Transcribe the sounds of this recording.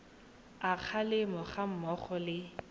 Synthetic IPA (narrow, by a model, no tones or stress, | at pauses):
ak͡xʰalɪmʊχam̩mɔχɔlɪ